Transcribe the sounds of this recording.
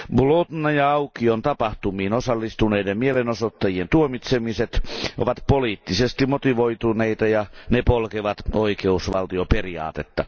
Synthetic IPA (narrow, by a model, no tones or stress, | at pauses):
blot̪nɑjɑɑukiont̪ɑpɑht̪umiːnosɑlːist̪uneidemmielenosot̪ːɑjient̪uomit̪semiset̪oʋɑt̪poliːt̪ːisest̪imot̪iʋoit̪uneit̪ɑjɑnepolkeʋɑt̪oikeusʋɑ̰lt̪ioperiɑ̰ːt̪et̪ːɑ